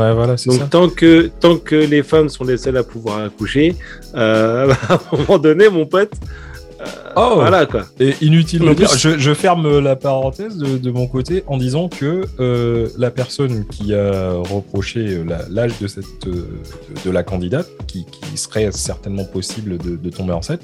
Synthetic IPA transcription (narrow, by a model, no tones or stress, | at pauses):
wɛvwalasɛɔskat̪ɑ̃kət̪ɑ̃kəlefamsɔ̃lesœlapuvwaʁakuʃe | øbamɔ̃mɑ̃d̪ɔnemɔ̃pɔt̪ | ø̰ovwalakwaeʔinyt̪̬ilmɑ̃d̪iʁʒəʒəfɛʁmølapaʁɑ̃t̪ɛzd̪əd̪əmɔ̃kot̪eʔɑ̃d̪izɑ̃kəː | lapɛʁsɔnkʲiaʁəpχɔʃeøla̰laʒd̪əsɛt̪ød̪əd̪əlakɑ̃d̪id̪at̪̚kʲikʲḭsəʁɛsɛʁt̪ɛnmɑ̃pɔsibld̪əd̪ət̪ɔ̃beɑ̃sɛ̃n